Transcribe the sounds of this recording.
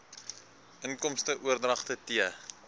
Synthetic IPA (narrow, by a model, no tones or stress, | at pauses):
əŋkɔmstəʔuərdrɐχtətiə